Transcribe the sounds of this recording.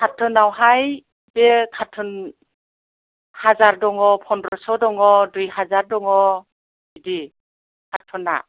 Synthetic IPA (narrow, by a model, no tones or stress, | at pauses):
kʰatʰɯnawɦaj | bekʰatʰɔn | hazaɾdɔŋɔpʰɔnɾɔsɔdɔŋɔdujɦazaɾdɔŋɔ | idi | kʰatʰːɔna̰